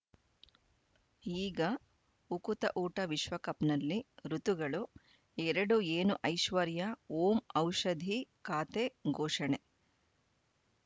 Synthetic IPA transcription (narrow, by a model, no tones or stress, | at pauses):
iːɡɐ | ukut̪ɐʔuːʈɐʋiʃʋɐkɐpnɐlːiɾut̪uɡɐɭu | ɛɾɐɽueːnuʔɐjʃʋɐɾjɐoːmɐwʃɐd̪ʱikaːt̪eɡʱoːʂɐɳe